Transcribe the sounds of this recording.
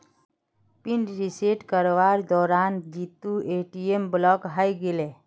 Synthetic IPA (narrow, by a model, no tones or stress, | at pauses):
piɳɖɾiseʈkəɾʋaɾd̪ɔɾand͡ʒit̪ːueʈiemblɔkɦajɡele